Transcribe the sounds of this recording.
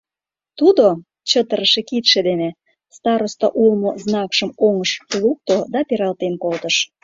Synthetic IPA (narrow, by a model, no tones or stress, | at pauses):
t̪ud̪o | t͡ɕət̪əɾəʃekit̪ʃed̪ene | st̪ɑɾost̪oʔulmoznɑkʃəmoŋəʃluk̚t̪od̪ɑpeɾɑlt̪enkolt̪əʃ